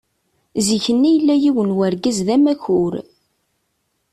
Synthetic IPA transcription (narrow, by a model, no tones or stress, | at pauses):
ziçənːijəlːæjiwənwæɾɡæzðæmæçʊɾ